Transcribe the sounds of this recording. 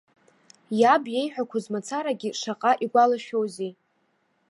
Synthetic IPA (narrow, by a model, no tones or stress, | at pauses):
jabje̞jħʷᶣakʷʰazmat͡sʰaɾaɡʲiʂaqʼaʔiɡʷalaʃowzi